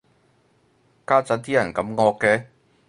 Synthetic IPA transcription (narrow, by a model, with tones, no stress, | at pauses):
kaː˥t͡sɐ˨˥nt̪iː˥jɐ˨˩nkɐ˨˥mŋɔː˧kːɛː˧